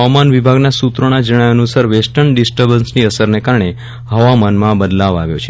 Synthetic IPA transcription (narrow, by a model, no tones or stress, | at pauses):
ʋamanʋibʱaɡnasut̪ɾəɽ̃ad͡ʒəɽ̃ajənusaɾʋesʈənɖisʈəɾbənsniəsəɾnekaɾɳe | ɦəʋamanmãbəd̪laʋaʋjo̰t͡ʃʰe